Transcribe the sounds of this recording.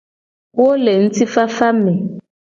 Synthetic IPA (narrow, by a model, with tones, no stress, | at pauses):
wo˦le˨ŋ̩˦tʰi˦fa˦fa˦mɛ˨